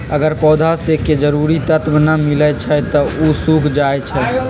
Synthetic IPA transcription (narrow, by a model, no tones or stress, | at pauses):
əɡəɾpɔːd̪ʱaseked͡ʒəɾuɾit̪ət̪bnəmilət͡ʃʰɛt̪ɔusukʰd͡ʒajt͡ʃʰɛ